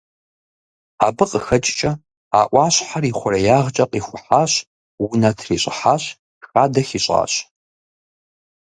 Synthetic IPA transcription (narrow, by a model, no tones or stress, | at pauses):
a̰ːbɨqʼəxɐt͡ʃʼt͡ʃʼɐ | a̰ːʔʷɑːɕħariːχʷʊrɐjaːʁt͡ʃʼɐqʼiːxʷʊħaːɕ | wʊnɐtʰriːɕʼɪħaːɕ | xaːdɐxiɕʼa̰ːɕ